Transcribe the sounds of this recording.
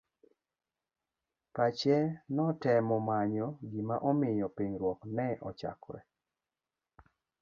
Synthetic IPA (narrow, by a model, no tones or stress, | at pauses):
pat͡ʃɛnɔtɛmɔmaɲɔɡimaʔɔmɪjɔpiɲɾwɔknɛʔɔt͡ʃa̰kwɛ̰